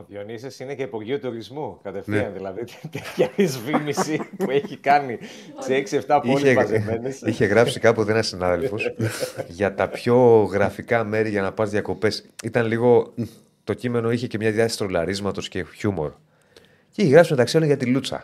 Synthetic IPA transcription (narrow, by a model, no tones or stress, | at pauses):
oðjo̞nisesineceipoɾʝiut̪uɾizmukɐt̪efθɐnðilɐðit̪et̪çɐpizvimisipueçikɐni | sieksieft̪ɐpioçlezenesiçe̞ɣɾɐpsikɐpot̪eenɐsinɐðe̞lfo̞sʝɐt̪ɐpço̞ɣɾɐfikɐme̞ɾiʝɐnɐpɐzðʝjɐko̞pe̞sit̪ɐnliɣo̞ | t̪o̞cime̞no̞içe̞ce̞mɲɐðjɐθi̥st̪ɾo̞lɐɾizmɐt̪o̞sce̞çumo̞ɾ | ceiçeɣɾɐpsimeðɐksiɐloɲʝɐt̪ilut͡sɐ̰